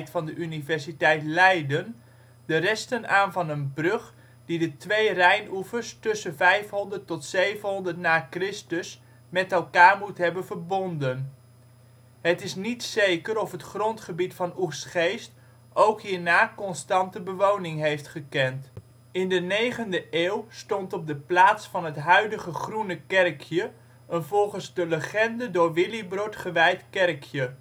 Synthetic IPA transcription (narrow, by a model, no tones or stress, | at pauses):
jtfɑndəʔynivɛɹsitɛjtlɛjdən | d̥ərɛstənaːnvɑnənbrɵχ | didətʋejrɛjnufəɹstɵsənvɛjfɦɔndərtɔtsejvənɦɔndərtnaːkrɪstəs | mɛtɛlˠkaːɹmutɦɛbənvəɹbɔndən | ɦətɪsnitsejkəɾɔfɦətχrɔntχəbitfɑnursχejst | ʔowkɦiːɹnaːkɔnstɑntəbəʋownɪŋɦejftχəkɛnt | ɪndənejχəndəʔeːwstɔntɔb̚dəplaːtsfɑnɦətɦœɥdəχəχrunəkɛrkʰjə | ʔənvɔlˠχənzdələχɛndədʊːɹʋɪlibrotχəʋɛjtkɛrkʰjə